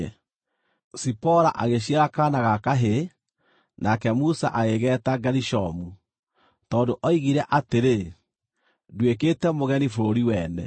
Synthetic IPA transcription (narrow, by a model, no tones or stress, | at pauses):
sipɔɾaʔaɣeɕ̬iaɾakanaɣakaɦe | nakɛmusa̰ʔaɣeɣɛtaɡaɾiʃɔmu | tɔːndoʔɔiɣiɾɛʔateɾe | dweketɛmoɣɛnifoɾoɾiwɛːnɛ̰